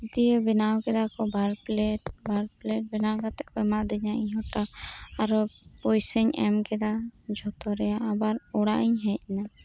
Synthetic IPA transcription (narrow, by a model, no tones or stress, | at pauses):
it̪ijəbɛnawkɛd̪akɔbʱaɾplɛʈbʱaɾplɛʈ̚bɛnawkat̪ɛʔkɔɛmaʔd̪ɛɲaʔiɲɦɔʈaaɾɔpɔjsɛɲɛmkɛd̪ad͡ʒʱɔt̪ɔɾɛjaʔːbaɾɔɽaʔiɲɦɛc̚na